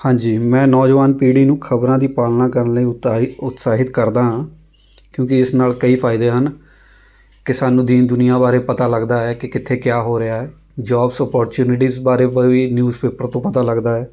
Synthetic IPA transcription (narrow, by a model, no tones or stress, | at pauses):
hãːɲd͡ʒiːmɛ̃ːnɔːd͡ʒʋaːnpiːɽiːnũːkʰəbɾãːd̪iːpaːlnãːkəɾənləiːʊt̪saːɦɪt̪kəɾd̪ãːɦãː | kjõːkɪɪsnaːlkəiːpʰaːɪd̪eːɦən | kɪsaːnũːd̪iːnd̪ʊnɪjãːbaːɾeːpət̪aːləɡd̪aːɛːkɪkɪt̪ʰeːkjaːɦoːɾɪaːɦɛː | d͡ʒɔːbsɔːpɔːɾt͡ʃuːnɪʈiːzbaːɾeːʋiːnjuːzpeːpəɾt̪õːpət̪aːləɡd̪aːɛː